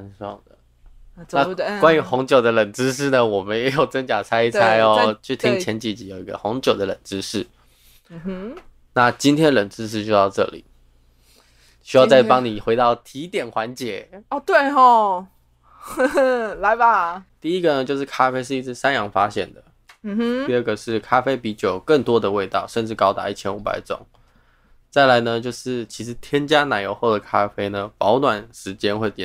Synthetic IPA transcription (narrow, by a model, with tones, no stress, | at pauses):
a˧˥nsɔ̰˨˩ŋd̪ə̰˩ | a˥˩kwa˥ny˧˥xʊ˧˥ŋt͡ɕjo˨˩ʊd̪ə˦lə˨˩nʈ͡ʂɻ̩˥ʂ̬ɻ̩˥˩nə˩wɔ˨˩mə˧nɪjjo˨˩ʊt͡sə˥ŋt͡ɕja˨˩t͡sʰa˥ɪi˥˩t͡sʰa˥ɪɔ˧˦t͡ɕʰy˥˩t̪ʰi˥ŋt͡ɕʰjɛ˧˥nt͡ɕi˨˩t͡ɕi˧˨˥jo˨˩ʊi˧˥ɡə̰˧xo˧˥ŋt͡ɕjo˨˩ʊd̪ə˦lə̰˨˩nʈ͡ʂɻ̩˥ʂɻ̩˥˩˥ | na˥˩t͡ɕi˥nt̪ʰjɛ˥ə˨lə˨˩nʈ͡ʂɻ̩˥ʂ̬ɻ̩˥˩ɕy˥t̪ɑ˥˧ʊʈ͡ʂɤ̰˥˩lḭ˨˩˦ | ɕy˥jɑ˥˧ʊt͡sa˥˩ɪpɑ˥ŋni˨˩xwe˧ɪt̪ɑ˥˩ʊt̪ʰi˧˥t̪jɛ˨˩nxwa˧˥nt͡ɕjɛ˧˥ɔ˨˧t̪we˥˩ɪxɔ˥˧˩ | la˧˦ɪba˧t̪i˥˩i˦˥ɡə˨nə˧t͡ɕjo˥˧ʊʂ̬ɻ̩˥˩kʰa˥fe˥ɪʂɻ̩˥˧i˧˥t͡s̩ʰ˥˩sa˦njɑ˧˥ŋfa˥ɕjɛ̰˥˩nd̪ə̰˩ | m̩˩˥t̪i˥˧ə˥˩ɡə˩ʂɻ̩˥˩kʰa˥fe˥ɪpi˧˥t͡ɕjo˨˩ʊkə˥˩ŋt̪wɔ˦˥d̪ə˨we˥˧ɪt̪ɑ˥˨˩ʊʂə˥˧nʈ͡ʂɻ̩˥˩kɑ˥ʊt̪a̰˧˦i˥˩t͡ɕʰjɛ˥nu˧˥pa̰˨˩ɪʈ͡ʂʊ̰˨˩˦ŋ | t͡sa˥˩ɪla˧˦ɪnə˧t͡ɕjo˥˧ʊʂɻ̩˥˩t͡ɕʰi˧˥ʂɻ̩˧˦t̪ʰjɛ˥nt͡ɕja˥na˨˩ɪjo˧˥ʊxo˥˩ʊə˩kʰa˥fe˥ɪnə˧pɑ˧˥ʊt̪wa˨˩nʂɻ̩˧˥t͡ɕjɛ˥nxwe˥˩ɪt̪jɛ˥˨˩